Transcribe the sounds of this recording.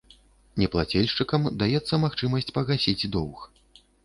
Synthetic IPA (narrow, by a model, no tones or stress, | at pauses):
nʲɛplˠat͡sʲɛlʲʂt͡ʂɨkɐmd̪ajɛt̪sːɐmaxt͡ʂɨmɐsʲt͡sʲpɐɣasʲid͡zʲd̪ɔwx